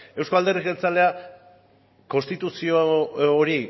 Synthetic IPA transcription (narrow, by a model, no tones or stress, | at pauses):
e̞wsko̞ald̪e̞rike̞lt͡sale̞a | ko̞nst̪it̪usioːɾi